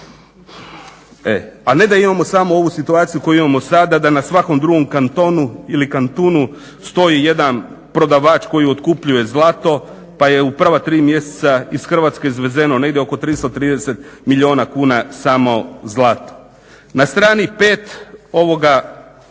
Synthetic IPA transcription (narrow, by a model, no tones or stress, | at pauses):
ḛane̞d̪aimamo̞samo̞o̞ʋusit̪uaːt̪sijuko̞juimamo̞sad̪ad̪anasʋako̞md̪ɾuɡo̞mkant̪o̞ːnuilikant̪oːnu | st̪o̞jije̞d̪an | pɾo̞d̪aʋaːt͡ʃko̞jio̞t̪kupʎuje̞zlˠat̪o̞ | paje̞upr̩ʋat̪ɾiːmje̞se̥t̪saisxər̩ʋaːt̪ske̞izʋeze̞no̞ne̞ɡd̪ʲjeo̞ko̞t̪ɾist̪ot̪ɾiːd̪ese̞t̪miʎʲio̞ːnakuːnasaːmo̞zlˠat̪o̥ | nast̪ɾaːnipe̞ːt̪o̞ʋo̞ɡa